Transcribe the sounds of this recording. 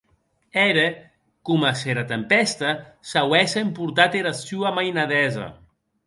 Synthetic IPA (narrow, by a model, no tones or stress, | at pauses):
ɛɾe | kumaseɾat̪empɛst̪asawɛsaempuɾt̪at̪eɾasyamajnaðɛzɐ̰